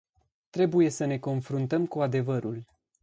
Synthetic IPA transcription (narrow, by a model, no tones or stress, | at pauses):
t̪ɾe̞buje̞səne̞ko̞nfɾunt̪əmkuad̪e̞vəɾul